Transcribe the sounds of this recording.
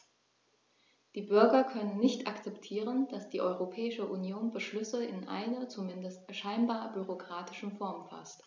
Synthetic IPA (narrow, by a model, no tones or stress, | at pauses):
d̥iːbʏɐɡɐkʰœnənːɪçtakt͡sɛptʰiːʁənd̥asd̥iːʔɔʏʁopʰɛːɪʃəʔunjoːnbəʃlʏsəɪnʔa̰ɪnɐt͡sumɪndəstʃaɪnbaːɐbyʁ̞okʁ̥aːtɪ̥ʃn̩fɔɐmfa̰st